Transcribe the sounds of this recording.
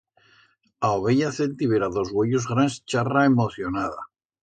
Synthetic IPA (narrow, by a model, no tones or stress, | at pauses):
aoβeʎaθelt̪iβeɾaðo̞zɣweʎozɣɾanst͡ʃaraemoθjonaða̰